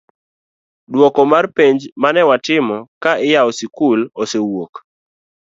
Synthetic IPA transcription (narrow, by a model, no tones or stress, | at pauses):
dwɔkɔmarpeɲd͡ʒmanɛwatɪmɔkaɪjaɔsikulosewok